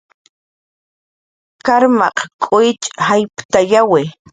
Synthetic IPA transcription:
kaɾmɑ̰qkʼʊjɪt͡ʃʼhajpt̪ajawe

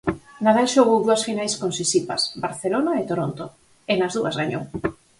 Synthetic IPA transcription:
naðalʃoɣowðuɐsfinajskonsisipa̰sbaɾθelonaet̪oɾont̪o | enazðuɐzɣaɲo̰w

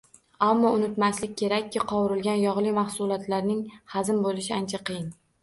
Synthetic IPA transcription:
amːɒʊnɪt̪maslɪk̚ʲkʰʲːe̞ɾakʲʰːɪqʰɒwɪɾɪlɡʲanjɒʁlˠɪmaχsʊlˠɒt̪laɾnɪŋhazɪmbolɪʃɪant͡ʃʰaqɨjɪn

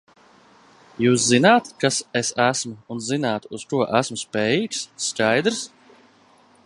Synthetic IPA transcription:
juːszinaːt̪kasesæsmʊːnzinaːt̪uskuɔʔæsmʊspɛːjiːksːkajd̪ɾs

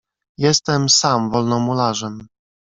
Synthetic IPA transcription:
jɛst̪ɛmsamvɔlnɔmulaʐɛm

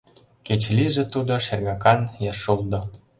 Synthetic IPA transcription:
ket͡ɕliʒĕt̪ud̪oʃerɣɑkɑnjɑʃuld̪ŏ

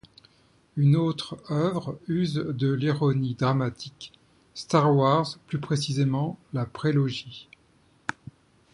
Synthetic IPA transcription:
ynot̪χœvʁyzd̪əliʁɔnid̪ʁamat̪ʰik | st̪aʁwaʁzplypχesizemɑ̃lapχelɔʒi

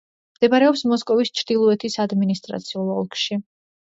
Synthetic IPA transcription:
md̪̥ɛbaɾɛɔpsmɔskʼɔvist͡ʃʰɾd̪̥ilˠɔɛt̪ʰisad̪minist̪ʼɾa̰t̪sʰiulˠɔlˠkʰʼʃi

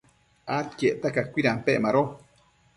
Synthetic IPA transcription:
ʔat̪keʔt̪akakʷiɾampeʔmaɾo

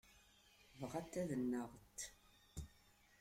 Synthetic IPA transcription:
vʁæt̪ːæðənːəʁt̪

